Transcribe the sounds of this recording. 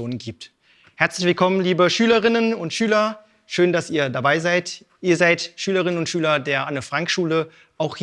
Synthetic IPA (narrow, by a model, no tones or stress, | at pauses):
oːnənɡiːp̚t | hɛɐt͡slɪçv̥ɪlkʰɔmənliːbəʃyːləʁɪnənʊntʃyːlɐ | ʃøːndasiːɐdabaɪzaɪt | ʔiːɐzaɪtʃyːləʁɪnənʊntʃyːlɐdeːɐʔanəfʁ̥aŋkʃuːlə | ʔaʊxh